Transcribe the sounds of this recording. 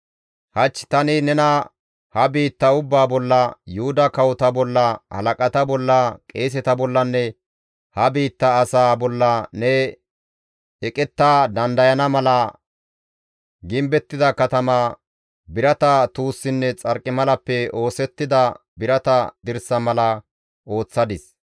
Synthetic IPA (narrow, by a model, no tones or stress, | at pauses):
hɐt͡ʃːt̪ɐnɪnɛnɐ | hɐbiːt̪ːɐʊbːaːbɔlːɐjʊhʊd̪ɐkɐwɔt̪ɐbɔlːɐhɐ̰lɐkʼɐt̪ɐbɔlːɐkʼe̞ːs̬ɛt̪ɐbɔlːɐnːɛ | hɐbiːt̪ːɐːsaːbɔlːɐnɛ | ɛkʼɛt̪ːaːd̪ɐnd̪ɐjɐnɐmɐlɐ | ɡɪmbɛt̪ːɪd̪ɐkɐt̪ɐmaː | bɪɾɐt̪ɐt̪uːsːɪnːɛt͡sʼɐɾkʼːɪmɐlɐpːɛo̞ːsɛt̪ːɪd̪ɐ | bɪɾɐt̪ɐd̪ɪɾsɐmɐlɐ | ʔo̞ːt͡sːɐd̪ɪs